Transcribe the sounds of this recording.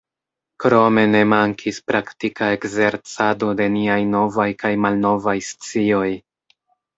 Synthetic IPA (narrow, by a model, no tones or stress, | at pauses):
kɾo̞me̞ne̞maŋkʰispɾaktikae̞kze̞ɾt͡sado̞de̞niajno̞vajkajmalno̞vajst͡sio̞j